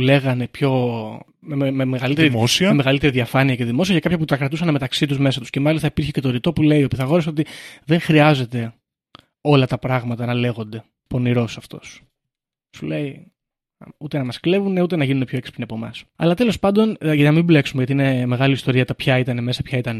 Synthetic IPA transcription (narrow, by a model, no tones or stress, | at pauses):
ule̞ɣɐne̞pço̞ | mememeɣɐlit̪eɾiosiɐmemeɣɐlit̪e̞ɾiðiɐfɐniɐceðimo̞siɐcɐkɐpçɐput̪ɐkɾɐt̪usɐneme̞t̪ɐksit̪uzme̞sɐt̪u̥sce̞mɐlist̪ɐipiɾçece̞t̪o̞ɾit̪o̞pule̞iopiθɐɣo̞ɾisot̪iðe̞ŋxɾiɐze̞t̪e̞ | o̞lɐt̪ɐpɾɐɣmɐt̪ɐnɐle̞ɣo̞nd̪e̞ | po̞niɾo̞sɐft̪o̞̰s | sule̞i | ut̪e̞nɐmɐskle̞vune̞ut̪e̞nɐʝinunepço̞ekspineɐpo̞mɐ̰sɐ̰lɐt̪e̞lo̞spɐnd̪o̞nʝnɐmible̞ksumeʝɐt̪iine̞me̞ɣɐlist̪o̞ɾiɐt̪ɐpçɐit̪ɐneme̞sɐpçɐit̪ɐn